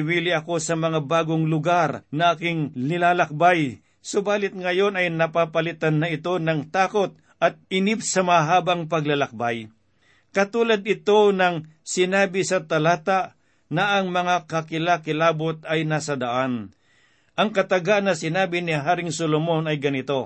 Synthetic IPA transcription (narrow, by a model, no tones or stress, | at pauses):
wiːlɪɐko̞sɐmɐŋabaːɡoŋlʊɡarnɐʔaːkɪŋnɪlaːlɐk̚baj | sobaːlɪt̪̚ŋɐjo̞nɐjnɐpapɐlɪt̪anːɐɪt̪o̞nɐŋt̪aːko̞t̪̚ | ʔɐt̪̚ɪnɪp̚sɐmɐaɦaːbaŋpɐɡlalɐk̚baj | kɐt̪uːlɐd̪̚ɪt̪o̞nɐŋ | sɪnaːbɪsɐt̪ɐlaːt̪aʔ | nɐʔːŋmɐŋakɐkɪlakɪlaːbot̪̚ɐjnaːsɐd̪ɐʔan | ʔɐŋkɐt̪ɐɡanːɐsɪnaːbɪnɪɦaːɾɪŋsolomo̞nɐjɡɐnɪt̪o̞